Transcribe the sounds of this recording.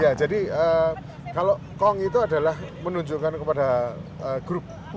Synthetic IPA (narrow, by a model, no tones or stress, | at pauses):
jad͡ʒadiəː | kalo | kɔŋit̪̬uada̤lahmənuɲd͡ʒukankəpadaəɡ̥ɾʊp̚